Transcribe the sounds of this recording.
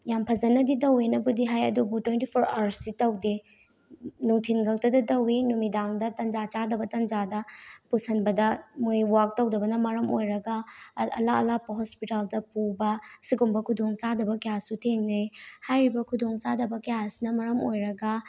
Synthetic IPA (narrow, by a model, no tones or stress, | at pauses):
jampʰɐzɐnɐditɐwenɐbudiɦajɐdubutwentipʰoɾaɾsːitɐwde | nuŋtʰinɡʱɐk̚tɐdɐtɐwinumidaŋdɐtɐnd͡ʒat͡ʃadɐbɐtɐnd͡ʒadɐpusɐnbɐdɐmojwak̚tɐwdɐbɐnɐmɐɾɐmojɾɐɡɐɐ̰laɐlapɐɦospitaldɐpubɐsiɡumbɐkʰudoŋsadɐbɐkɐjassutʰeŋnɐjhajɾibɐkʰudoŋsadɐbɐkɐjasnɐmɐɾɐmojɾɐɡɐ